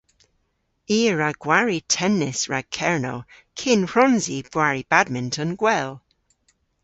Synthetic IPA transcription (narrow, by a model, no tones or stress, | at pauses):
iːɹaɡ̥waɹitʰɛnːɪsɹakʰɛɹnow | kʰɪnɹ̥ɔnzib̥waɹib̥ad̚mɪntʰənɡwɛlˠ